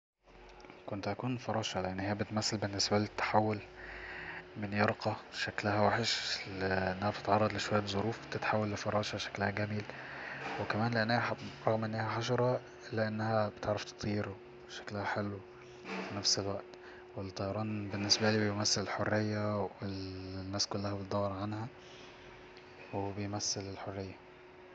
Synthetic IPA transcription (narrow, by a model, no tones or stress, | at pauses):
kont̪ʔækuːnfɑɾˤɑːʃɑleʔenːhejːæbet̪mæsːælbenːesbæliːt̪ːḁħawːel | menjɑɾqɑʃæklæhæwaħeʃlʔenːæhæbet̪e̥t̪ʕɑrˤːɑd̪ˤleʃowæjːæzˤoɾuːfbt̪et̪ħawːælːefɑɾˤɑːʃɑʃæ̥klæhæɡæmilwekæmæːnleʔenːeæɾˤɑɣmʔenːehæħɑʃ̬ɑɾˤɑ | ʔelːæʔenːæhæbet̪eʕɾɑft̪e̥t̪ˤʰːijːeɾo | ʃæ̥klæhæħelw | finæfselwæʔt̪ | welt̪ˤːɑjɑɾˤɑːnbenːesbæliːbejmæsːelelħorːejːæwelnːæːskolːæhæbet̪̚d̪æwːɑɾˤʕanhæ | webejmæsːelelħorːejːæ